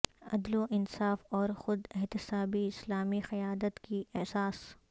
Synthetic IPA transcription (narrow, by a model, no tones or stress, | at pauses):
ɐ̰d̪loʔɪnsaːfɔːɾxʊd̪ɪɦt̪ɪsaːbiɪslaːmixɐjaːd̪ət̪kiɛɦsaːs